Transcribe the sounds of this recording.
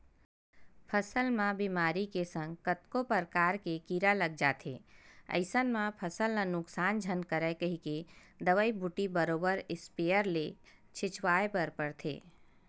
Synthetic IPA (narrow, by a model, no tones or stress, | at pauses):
pʰəsəlmãbimaːɾikesə̃ŋɡkət̪kopəɾkaːɾkekiɾaləɡ̚d͡ʒaːt̪ʰḛːə̰ɪsənmãpʰəsəlnanʊksaːnd͡ʒʱənkəɾəkəɦike | d̪əʋəibʱuʈibəɾoːbəɾɪspejəɾle | t͡ʃʰɪt͡ʃwaːepəɾpəɾt̪ʰḛː